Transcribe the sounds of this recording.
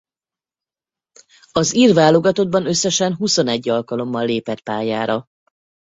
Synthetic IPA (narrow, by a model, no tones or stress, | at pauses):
ɒziːrvaːlo̞ɡɒt̪o̞d̪̚bɒnø̞sːɛʃɛnɦuso̞nɛɟːɒlkɒlo̞mːɒlːeːpɛt̪paːjaːɾɒ